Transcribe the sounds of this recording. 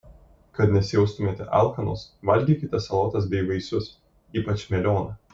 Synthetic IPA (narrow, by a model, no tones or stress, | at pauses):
kɐt̪nʲɛsʲɪjɛʊst̪ʊmʲeːt̪ʲɛ̰ʔɑ̰ˑlˠxɐno̰sʋɐlʲɡʲiːkʲɪt̪ʲɛsɐlˠoːt̪ɐs̬bʲɛɪʋɐɪsʊs | iːpɐt͡ʃʲmʲɛlʲoːnɐ